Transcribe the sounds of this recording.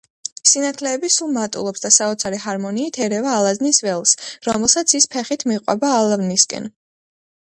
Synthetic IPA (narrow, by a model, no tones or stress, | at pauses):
sinat̪ʰlɛːbisulˠmat̪ʼṵlˠɔpsd̪asaɔt̪sʰaɾɛɦaɾmɔniːt̪ʰɛɾɛvaːlˠaznisvɛlˠsɾɔmɛlˠsat̪sʰispʰɛχit̪ʰmiqʼwɛ̰baːlˠavniskʼɛ̰n